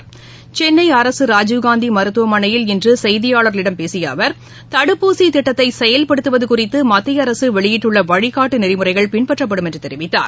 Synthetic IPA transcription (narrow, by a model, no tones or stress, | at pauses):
t͡ʃɛnːɐɪɐɾɐsɯɾaːd͡ʒuʋɡaːnd̪imɐɾɯt̪ːɯʋɐmɐɳɐjɪlɪndrɯsɛjðɪjaːɭɐɾlɪɽɐmpeːsɪja̰ːʋɐɾ | t̪ɐɽɯpːuːsit̪ɪʈːɐt̪ːɐɪsɛjɐlpɐɽɯt̪ːɯʋɐðɯkʊrɪt̪ːɯmɐt̪ːɪjɐɾɐsɯʋɛɭɪjɪʈːɯɭːɐʋɐɻɪkːaːʈːɯnɪɾɪmɯrɐɪɣɐɭpɪɳpɐʈrɐp̬ːɐɽɯmɛndrɯt̪ɛɾɪʋɪt̪ːa̰ːɾ